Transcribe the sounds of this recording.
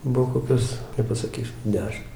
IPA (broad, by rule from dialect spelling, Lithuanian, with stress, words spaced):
ˈbʊw koːˈkʲoːs nʲɛpɐsɐˈkʲiːsʲʊ ˈdʲæːʃʲɪm